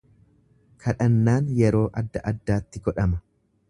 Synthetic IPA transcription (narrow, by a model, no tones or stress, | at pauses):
kʰɐᶑɐnːaːnjɛɾo̞ːʔɐd̪ːɐʔɐd̪ːaːt̪ːɪɡɔᶑɐmɐ